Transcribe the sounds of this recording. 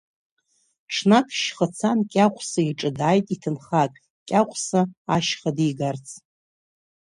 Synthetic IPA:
ʈ͡ʂʰnakʰʼʃχət͡sʰankʲʼaqʷʰsaiʈ͡ʂʼɨdaːjtʼitʰɨnχakʼ | kʲʼaqʷʰʼsaaʃχadiɡart͡sʼʰ

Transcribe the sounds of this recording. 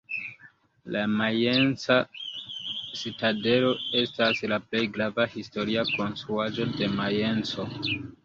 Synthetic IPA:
lamajent͡sa | sitade̞lo̞e̞staslaple̞jɡɾavahisto̞ɾiako̞nstɾuad͡ʒo̞de̞maje̞nt͡so̞

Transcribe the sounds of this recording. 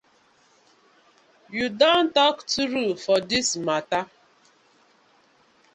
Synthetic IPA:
judɔ̃ntɔktuɾufɔdismata

